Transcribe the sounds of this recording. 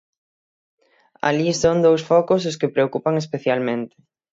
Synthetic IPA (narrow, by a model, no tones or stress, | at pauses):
a̰lisoŋd̪owsfɔkʊs̬ʊskɪpɾeokupaŋespeθjalmẽnt̪ɪ̥